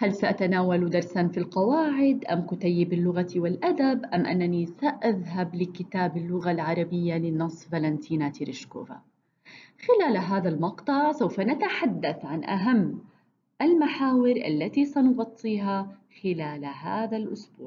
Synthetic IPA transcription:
halsaʔat̪anaːwald̪ɑɾˤsanfilqɑwaːʕɪd̪ʔamkʊt̪ajːɪbɪlːʊɣat̪iwɪlʔad̪abʔamʔa̰nːanisaʔaðɦablɪkɪt̪aːbɪlːʊɣalʕɑɾˤɑbɪjːalɪnɑsˤvalant̪ʰiːnat̪iɾɪʃko̰ːva̰ | xɪlaːlɦaːðalmɑqt̪ˤɑʕsawfanat̪aħad̪ːaθʕanʔa̰ɦamː | ʔalmaħaːwɪɾʔa̰lːat̪isanʊɣɑt̪ˤːiːɦaxɪlaːlɦaːðalʔʊsbṵːʕ

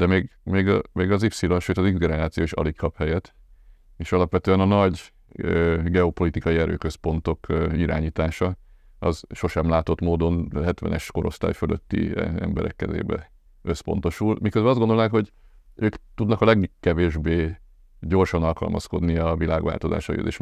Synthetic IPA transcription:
d̪ɛmeːɡmeːɡmeːɡɒzipsiloʃøːt̪ɒzizɡɛnɛɾaːt̪sijoːʃɒ̰likkɒphɛjɛt̪ː | eːʃɒlɒpʋɛt̪øːɛnɒnɒɟ | øɡɛo̞po̞lit̪ikɒjiɛɾø̰ːkøspo̞nt̪o̞kiɾa̰ːɲiːt̪aːʃɒ | ɒzʃo̞ʃɛmlaːt̪o̞t̪moːd̪o̞nɦɛt̪ʋɛ̰nɛʃko̞ɾo̞̰st̪aːjfølʔøt̪ːḭɛ̰mbɛɾɛ̰kːɛzḛːbɛ̰ | øspo̞̰n̪t̪o̞ʃulmikøzbɛlɒzɡod̪lnaːkho̞ɟ | øːkt̪ud̪nɒkɒlɛɡkːɛveːʒbeː | ɟo̞rʃɒnɒlkɒ̰lmɒ̰sko̞̰d̪niɒvilaːɡʋa̰ːlt̪o̞za̰ːʃɒjy̰t̪ḛːʃ

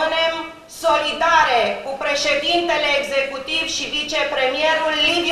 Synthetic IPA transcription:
ɨne̞m | so̞lid̪aɾekupɾe̞ʃed̪int̪e̞leːɡze̞kut̪ivʃivit͡ʃe̞pɾemieɾulːivi

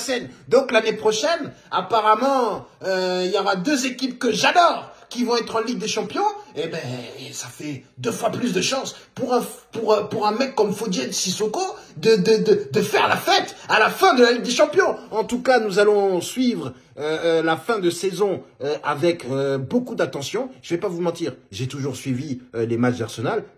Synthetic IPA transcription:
sɛnd̪ɔ̃klanepχɔʃɛn | apaʁamɑ̃øiljɔʁad̪øzekʲip̚kəʒad̪ɔːʁkʲivɔ̃ɛt̪χɑ̃liɡ̚d̪eʃɑ̃pjɔ̃ebɛ̃safɛd̪øfwaplys̬d̪əʃɑ̃spuʁɛ̃puʁpuʁɛ̃mɛkːɔmfod̪ed̪sisokod̪əd̪əd̪əd̪əfɛʁlafɛt̪alafɛ̃d̪əlaliɡ̚d̪eʃɑ̃pjɔ̃ɑ̃t̪ukanuzalɔ̃sɥivʁ | ølafɛ̃d̪əsezɔ̃øʔavɛkøbokud̪at̪ɑ̃sjɔ̃ʒ̥əvɛpavumɑ̃t̪iːʁʒet̪uʒuʁsɥiviølemat͡ʃd̪a̰ʁsɔnal

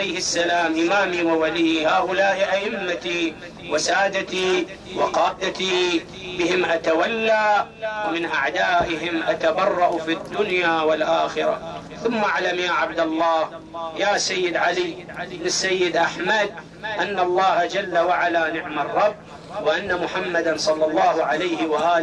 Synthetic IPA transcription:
lajhɪsːalaːmʔɪmaːmiwɪwaliːhaːʔʊlaːʔɪʔaʔɪmːat̪i | wɪsaːd̪at̪i | wɪqɑːd̪at̪i | bɪhɪmʔat̪awalːaː | wmɪnʔaʕd̪aːʔɪɦɪmʔat̪abɑrˤːɑʔfid̪ːʊnjaːwɪlʔaːxɪɾa̰ | θʊmːaʔaʕlamjaːʕab̚d̪alˤːɑːh | jaːsajːɪd̪ʕaliːɪbnɪsːajːɪd̪ʔaħmad̪̚ | ʔanːalˤːɑːhad͡ʒalːawaʕalanɪʕmɑrˤːɑbː | wɪʔanːamʊħamːad̪ansˤɑlːɑlˤːɑːhʊʕalajhɪwaʔaːl

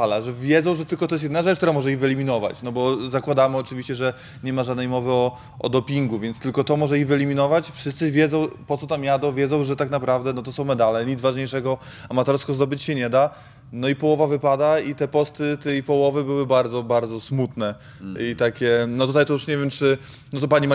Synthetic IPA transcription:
alaʐɛvʲjɛd̪zɔ̃w̃ʐɛt̪ɘlkɔt̪ɔjɛs̬t̪jd̪naʐɛt͡ʂkt̪uɾamɔʐɛivɘɛlʲimʲinɔva̰t͡ɕnɔbɔzakwad̪amɘɔt͡ʂɘvʲiɕt͡ɕɛʐɛ | ɲɛmaʐad̪nɛjmɔvɘɔ | ʔɔ̰d̪ɔpʲiŋɡuvʲjɛnt̪st̪ɘlkɔt̪ɔmɔʐɛivɛlʲimʲinɔvat͡ɕfʂɨst̪sɘvʲjɛd̪zɔ̃w̃pɔt̪sɔt̪amjad̪ɔ̃vʲjɛd̪zɔ̃w̃ʐɛt̪aknapɾavd̪ɛnɔt̪ɔsɔ̃w̃mɛd̪alɛɲit̪zvaʐɲejʂɛɡɔamat̪ɔɾskɔzd̪ɔbɘt͡ɕɕɛɲɛd̪a | nɔipɔwɔvavɘpad̪ait̪ɛpɔst̪ɘt̪ɛjpɔwɔvɘbɘwɘbaɾd̪zɔbaɾd̪zɔsmut̪nɛ | it̪akʲɛnɔt̪ut̪ajt̪ɔjuʂɲɛvʲjɛmt͡ʂɘ | nɔt̪ɔpaɲima

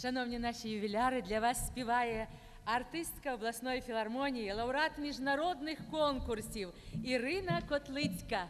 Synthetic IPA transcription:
ʂanɔwnʲinaʂijʊbʲɪlʲaɾɨd̪lʲɐvasːpʲivajɛ | art̪ɨst̪kɐɐblˠasnɔjfʲilˠarmɔnʲijilˠɐwɾat̪mʲiʐnaɾɔd̪nɨxkɔnkursʲiwiɾɨnɐkɔt̪lˠɨt͡sʲkɐ

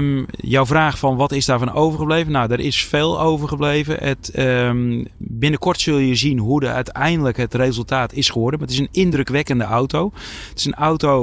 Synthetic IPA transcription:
jɔwvraːxfɔnʋɔtɪsdaːɹvɔnowvərχəblejvənawdəɾʔɪsfeːlˠowvərɣəblejvəʔət | bɪnəkʰɔrtsɵlˠjəzinɦudəœɥtɛjndələkɦətreːzəlˠtaːtɪsxəʋɔrdəmaətɪsənɪndrøkʋɛkəndəʔawtowətɪ̥sənawto

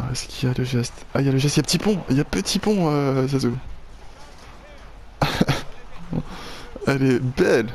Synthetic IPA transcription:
ɛskijaləʒɛst̪aijaləʒɛst̪japət̪ipɔ̃ljapət̪ipɔ̃øs̬azu | ɛlɛbɛl

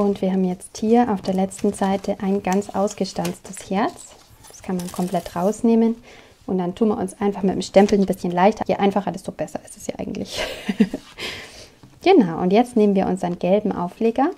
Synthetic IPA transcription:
ʔʊntv̥iːɐɦaːbm̩jɛt͡sthiːɐʔaʊfd̥eːɐlɛt͡stn̩zaɪtʰəʔaɪnɡant͡sʔaʊsɡ̥əʃtant͡stʰəshɛɐt͡s | d̥ḁskʰanmankʰɔmpl̥ɛtʁaʊsneːmən | ʔʊntd̥antʰuːnma̰ɐʊ̰nsʔaɪnfaχmɪt̚mʃtɛmpl̩nbɪsçənlaɪçtʰɐjeʔaɪnfaχɐdɛsd̥ob̥ɛsɐɪstɛsja̰ːʔa̰ɪɡŋ̩tlɪç | ɡ̥ənaʊʔʊ̰ntjɛt͡stneːmənviːɐʊnsanɡ̥ɛlbm̩ʔa̰ʊfleːɡɐ

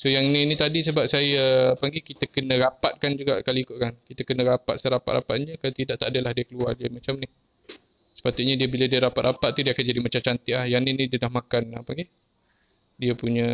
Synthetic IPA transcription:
sojaŋninĩt̪adisəbap̚sajapaŋɡikit̪akənə̃ɾapat̪̚kand͡ʒuɡa̰ʔkaliːkʊʔkankit̪akənə̃ɾapa̰t̪̚saɾapa̰t̪ɾʔa̰pat̪̚ɲəkalat̪idaʔt̪adəlahdiəkəluard͡ʒəmat͡ʃamnih | sə̥pat̪ʊt̪̚ɲadiəbiladiəɾapat̪̚ɾapat̪̚t̪ːudiakand͡ʒadimat͡ʃamt͡ʃant̪iʔlahjaninidiənahmãkana̰paŋɡe | diapuɲə̃

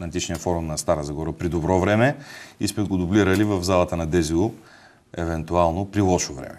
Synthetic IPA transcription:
ɐt̪it͡ʃnijəfɔɾumnɐst̪aɾəzɐɡɔɾəpɾid̪obɾɔvɾɛmɛismɛɡod̪ʊbliɾəlivɐvzalˠɐt̪ənɐd̪ɛzilˠo | ɛvɛnt̪ualˠnopɾilˠɔʃovɾɛ̰mɛ

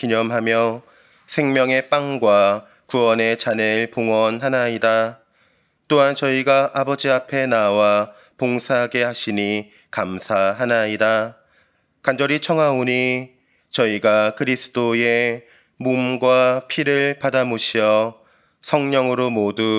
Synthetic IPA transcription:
kiɲʌmɦamjʌ | sʰe̞ŋmjʌŋe̞p͈aŋɡwa | kuwʌne̞t͡ɕaneɭpoŋʌnɦanaida | t͈oɦant͡ɕʌiɡaʔabʌd͡ʑiapʰe̞nawa | poŋsʰaɦaɡe̞haɕʰini | kamsʰaɦanaida | kand͡ʑʌɾit͡ɕʰʌŋɦaoɲi | t͡ɕʌiɡakɯɾisʰɯ̥t͈oe | mumɡwapʰiɾɯɭpadamoɕʰijʌ | sʰʌŋɲʌŋɯɾomodu

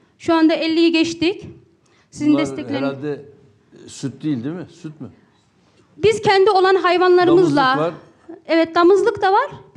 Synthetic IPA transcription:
ʃuand̪aɛlʲːijiɟɛt͡ʃt̪ic | sizind̪ɛst̪ʰɛlʲed̪ɛ | syt̪̚d̪ilʲd̪imɪsyt̪̚mɪ | biz̥cʰɛnd̪io̞lˠanɦajvanlˠaɾɯmɯzlˠa | ɛvɛt̪̚lamɯzlˠɯkt̪avaɾ̥

